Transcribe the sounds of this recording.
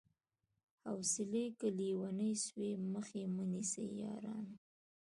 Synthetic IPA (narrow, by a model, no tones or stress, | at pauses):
hawsɪlekəliwanəjsweməxemənisḛjɑ̰ɾɑ̰n